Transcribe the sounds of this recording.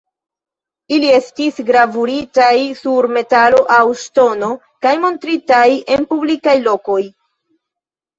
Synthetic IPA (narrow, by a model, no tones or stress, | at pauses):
ilie̞stisɡɾavuɾitajsuɾme̞talo̞ʔawʃto̞no̞ | kajmo̞ntɾitaje̞npublikajlo̞ko̞j